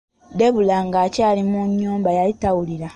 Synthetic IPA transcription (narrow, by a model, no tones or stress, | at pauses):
deβulaŋɡaːcaːlimuɲːuːmbajalitawuliɾa